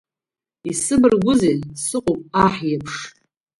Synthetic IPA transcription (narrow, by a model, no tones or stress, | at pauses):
isɨbɨrɡʷʊzensɨqʷʼʊpʼaħjapʰʂ